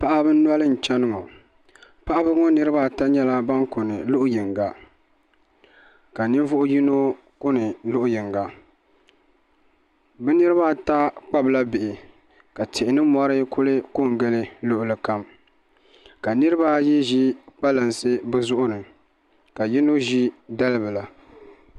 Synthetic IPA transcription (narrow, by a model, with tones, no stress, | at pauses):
pa˦ʔa˦bɨ˦n˦nwɔ˦lɨ˦n̩˨t͡ʃɛ˦nɨ˦ŋɔ˨ | pa˦ʔa˦bɨ˦ŋɔ˦nɨ˦ɾɨ˦ba˦ta˦ɲɛ˦la˦ba˦ŋkʊ˨nɨ˨lʊ˦ʔʊ˦jɪ˨ŋɡa˨ | ka˨nɨ˦ɱ˦vʊ˦ʔʊ˦ji˦no˦ | kʊ˦nɨ˨lʊ˦ʔʊ˦jɪ˨ŋɡa˨ | bɛ˦nɨ˦ɾɨ˦ba˦˨ta˦k͡pa˦bla˦bɪ˨ʔɪ˨ | ka˨tʰɪ˨ɪ˨nɨ˦mɔ˦ɾɨ˦kʰʊ˦lɨ˦ko˦˨ŋɡɛ˦lɪ˦lʊ˦ʔʊ˦lɨ˨ka˦m | ka˨nɨ˦ɾɨ˦ba˦ji˦ʒi˦k͡pa˦lɨ˨nsɨ˦bɨ˦zʊ˦ʔʊ˦nɨ˨ | ka˨ji˦no˦ʒi˦da˦lɨ˦bɨ˨la˨